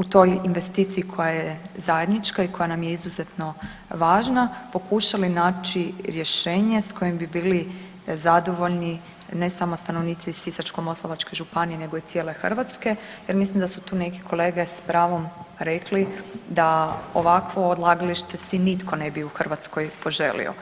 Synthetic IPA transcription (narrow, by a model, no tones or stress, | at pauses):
ut̪o̞jinʋe̞st̪it̪siːkʰo̞jajezaje̞d̪nit͡ʃkaikʰo̞janamje̞izuzet̪no̞ | ʋaːʒnapo̞kuʃalinaːt͡ʃiɾje̞ʃe̞ːɲe̞sko̞jembibiːli | zad̪o̞ʋo̞ʎni | ne̞samost̪ano̞ʋniːt̪sisisat͡ʃko̞mo̞slˠoʋat͡ʃko̞ʒupanijene̞ɡo̞it̪sjele̞xr̩ʋat̪ske̞jeɾmislimd̪asut̪uːne̞ke̥kʰo̞le̞ːɡe̞spɾaːʋo̞mɾeklid̪aoʋakʋo̞ːd̪lˠaɡaliʃt̪e̞sʋinit̪ko̞ne̞biuxr̩ʋat̪sko̞jpo̞ʒe̞̰lḭo̰